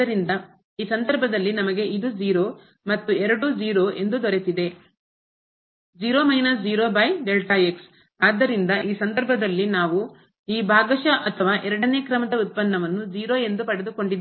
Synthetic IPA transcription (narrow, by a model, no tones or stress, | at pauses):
ɐɾind̪ɐ | iːsɐnd̪ɐɾbʱɐd̪ɐlːinɐmɐɡe̞ʔid̪ud͡ʒiːɾoː | mɐt̪ːuɛɾɐɽud͡ʒiːɾoːʔe̞nd̪ud̪ɔɾet̪id̪e̞ | d͡ʒiːɾoːmɐjnɐs̬d͡ʒiːɾo̞ːbɐjɖelʈɐeks | aːd̪ːɐɾind̪ɐʔiːsɐnd̪ɐɾbʱɐd̪ɐlːinaːʋu | iːbʱaːɡɐʃɐʔɐt̪ʰɐʋaːʔɛɾɐɽɐne̞ːkɾɐmɐd̪ɐut̪̚pɐnːɐʋɐnːud͡ʒiːɾo̞ːe̞nd̪upɐɽed̪uko̞ɳɖid̪